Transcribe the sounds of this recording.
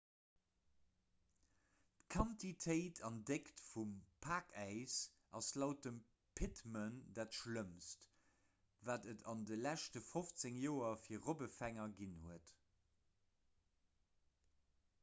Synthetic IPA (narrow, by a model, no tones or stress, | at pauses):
tkʰɑntʰitʰəɪtʰɑndektfumpʰaːkʰæɪs | ʔɑ̰slaʊt̚əm | pʰɪtməndaːtʃləmst | vaːdətʰɑndəlæʃtəfoft͡seŋjoːɐfiːɐʁobəfæŋɐɡinhuət